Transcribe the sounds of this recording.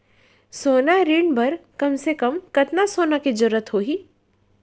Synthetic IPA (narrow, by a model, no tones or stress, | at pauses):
soːnaɾiːɳbɐɾkɐmsekɐmkɐt̪nasoːnakid͡ʒʊɾːət̪ɦoːɦiː